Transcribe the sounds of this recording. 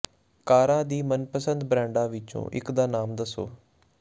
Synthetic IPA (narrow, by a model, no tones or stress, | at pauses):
kaːɾãːd̪iːmənpəsənd̪bɾɛ̃ːɳɖãːʋɪt͡ʃõ̰ːʔɪkd̪aːnaːmd̪əso̰ː